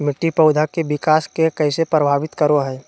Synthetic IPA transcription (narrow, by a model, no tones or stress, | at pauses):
mɪʈːipɐʊd̪ʱakeʋɪkaːskekɛːsepɾəbʱaːʋɪt̪kəɾoɦɛː